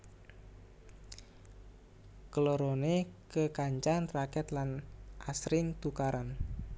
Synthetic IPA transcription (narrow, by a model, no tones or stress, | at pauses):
kəloɾonekəkaɲt͡ʃanrakɛt̪lanʔasɾɪŋt̪ukaɾan